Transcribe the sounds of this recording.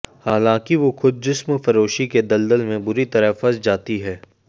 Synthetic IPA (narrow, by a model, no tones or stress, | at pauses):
haːlãːkiʋoxʊd̪̚d͡ʒɪsmfɐɾoːʃiked̪ɐld̪əlmẽbʊɾit̪ɐɾəfɐɾsd͡ʒaːt̪iɦɛː